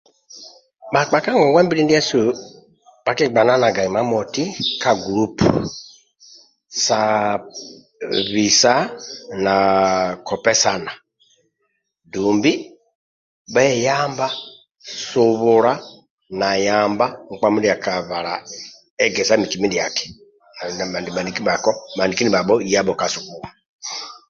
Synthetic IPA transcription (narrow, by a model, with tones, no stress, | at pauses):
ba˨k͡pa˨ka˦ŋɛ˨wɛ˦mbi˦ɾi˦n˦di˦ɛ˦su˨ | β̥a˦ki˦ɡ͡ba˨na˦na˨ɡa˨i˨ma˦mɔ˨ti˦kʰa˨ɡu˨ɾu˦pu˨ | sa˨ | βi˨sa˦na˨kʰɔ˨pɛ˦sa˨na˨ | du˨mbi˦ | bɛ˦ja˦mba˦ | su˨βu˨ɾa˦ | na˨ja˨mba˦ŋ̩˨k͡pa˦mu˦dja˨ka˨βa˨ɾa̰˨ | ɛ˦ɡɛ˨sa˦mi˨ki˨mi˦di˨a˨kɛ̥˨ | n˨na˨ma˨ndi˨ma˨ndi˨ki˦ba˨kɔ˦ma˨ndi˨ki˦ni˨ba˨bɔ˦i˦ja˦bɔ˨ka˨su˨βu˨wa˨